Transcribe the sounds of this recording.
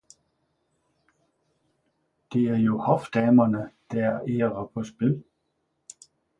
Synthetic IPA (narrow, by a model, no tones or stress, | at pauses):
d̥e̝æɐjo̝hɒfd̥ɛːmɐnəd̥æɐʔeːɐʁɐpʰɒ̽sb̥el